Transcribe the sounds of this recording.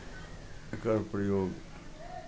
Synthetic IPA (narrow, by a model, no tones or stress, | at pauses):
kəɾpɾəjoːɡ